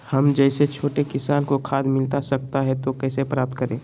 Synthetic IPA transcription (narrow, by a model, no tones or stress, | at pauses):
hɐmd͡ʒɛɪset͡ʃʰoːʈekɪsaːnkokʰaːd̪mɪlt̪asɐk̚t̪aɦɛt̪okɛːsepɾaːp̚t̪kəɾẽː